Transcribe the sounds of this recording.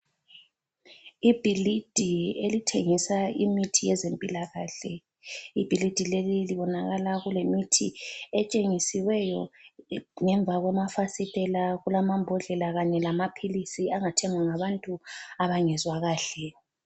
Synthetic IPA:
ib̥ʱilid̥ʱielitʰeŋisaimitʰijɛzempʼilaɣaɬɛ | ib̥ʱilid̥ʱileliliβɔnaɣalaɣulemitʰiɛt͡ʃʼeŋisiwɛjɔ | ŋɛɱb̪vʱaɣwɛmafasitʼɛlaɣulamambʱɔɮɛlaɣaɲɛlamapʰilisiaŋatʰɛŋwaŋaβantʼuaβaŋɛzwaɣaːɬɛ

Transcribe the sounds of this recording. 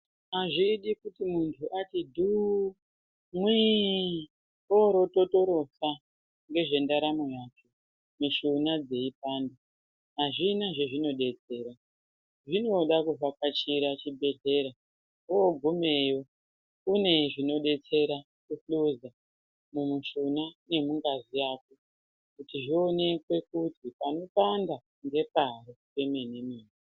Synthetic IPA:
ɦaʐiɗikutimuntʰuʔatidʱu | mwi | oɾo̞totoɾo̞sa | ŋɡe̞ʐe̞ndaɾamujat͡ʃo | miʃunad͡ze̞ip̚aːndo | ɦaʐinaʐeʐino̞ɗe̞t͡se̞ːɾa | ʐino̞ɗakuvakat͡ʃiɾat͡ʃibʱe̞ɮe̞ɾa | ooɡʱume̞jo̞ | kune̞ʐino̞ɗe̞t͡se̞ɾa | kufluza | mumuʃunane̞muŋɡazijaːko | kutiʐio̞ne̞kwe̞kutipano̞panda | ŋɡe̞paɾoke̞mene̞miːni

